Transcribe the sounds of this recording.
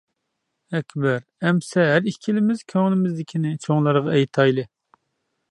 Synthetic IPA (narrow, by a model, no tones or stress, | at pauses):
ɛkʲbæɾ | ɛmsɛɦæɾikʲʰilɪmɪz̥kʲʰøŋlnɪmɪzd̪ɪkʲʰinɪt͡ʃʰoŋlˠɑɾʁɑɛjt̪ʰɑjlˠɨ